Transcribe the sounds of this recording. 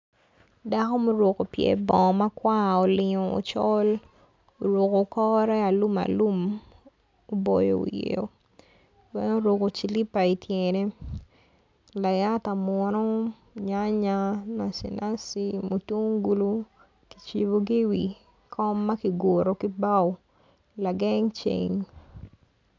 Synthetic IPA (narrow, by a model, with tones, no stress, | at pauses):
da˦ko˦mo˦ɾo˨ko˨pjɛ̰˨bɔ̃˨ma˦kwa˦o˨lɪ˨ɲo˨o̰˨t͡ʃɔ˦l | o˨ɾo˨ko˨kɔ˦ɾɛ˦a˨lu˦ma̰˨lu˦m | o˦bo˨jo̰˨o̰˨jḛ˦o˨ | wɛ˦no˦ɾo˨ko˨t͡ʃi˨li˦pa˨i˨tʰjɛne˦ | la˨ja˦ta˨mwɔ˨˦nɔ˦ | ɲa˦ɲa˦na˨sḭ˨nʔa˦si˦mo˨tu˦ŋɡu˦lu˦ | ki̥˨t͡ʃi˨bo˦ɡi˦wi˨ | kʰɔ˦mːa˦ki˨ɡo˨ɾo˨ki˦ba˦w | la˨ɡɛ˦ŋt͡ʃḛ˨ɲ